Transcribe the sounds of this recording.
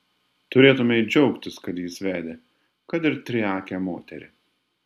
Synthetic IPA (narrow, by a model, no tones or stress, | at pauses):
t̪ʊɾʲeːt̪ʊmʲɛɪd͡ʒʲɛʊkt̪ʲɪskɐt̪jiːsʋʲæːd̪ʲe | kɐt̪ɪɾt̪ʲɾʲɪɑːkʲɛːmoːt̪ʲɛ̰ɾʲɪ̰